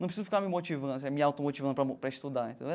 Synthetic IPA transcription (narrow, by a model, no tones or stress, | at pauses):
ɐ̃pɾesizʊfikaɾmimot͡ʃivɐ̃d̪s̬ɛmiawt̪omot͡ʃivɐ̃d̪ʊpɾɐpɾɐiʃt̪ud̪aɾḛ̃t̪ḛ̃d̪e